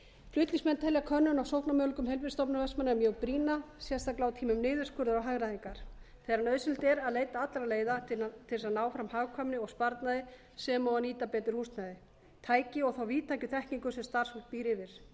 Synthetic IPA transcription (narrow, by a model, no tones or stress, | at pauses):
flʏht̪liŋsmɛnt̪ʰɛljakʰœnːʏnawsowhpnamœːlkʏmhejlvɪ̥st̪ɔpnaɾvɛsmanɛmjœɣpɾiːnasjɛst̪aklaːwt̪ʰiːmʏmnɪːðɪɾskʏɾðʏɾawɦaɣɾaðiŋkaɾ̥ | θejɾanœːðsɪlt̪ɛɾaðleːjt̪aat̪lɾaleːjðat̪ʰɪlsaðnaːwfɾamhaːɣkʰœmnɪɔɣspaɾt̪naðɪ | sɛmawaniːt̪apɛːt̪ɪɾ̥huːst̪naðɪ | t̪ʰaːjcɪɔɣθawviːt̪ʰajcʏθɛhkniŋkʏsɛmst̪ar̥shut̪piːɾɪvɪɾ̥